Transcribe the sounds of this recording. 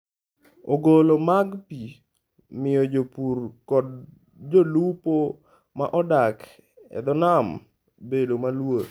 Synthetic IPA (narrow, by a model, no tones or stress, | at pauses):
oɡolomaɡpi | mɪjɔd͡ʒopurkɔd | d͡ʒolupo | maʔɔdak | ɛ̰d̪ɔnam | bedomalwo